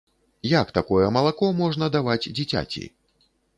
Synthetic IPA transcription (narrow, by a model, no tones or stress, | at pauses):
jakt̪akɔjɛmɐlˠakɔmɔʐnɐd̪avad͡zʲd͡zʲit͡sʲa̰t͡sʲḭ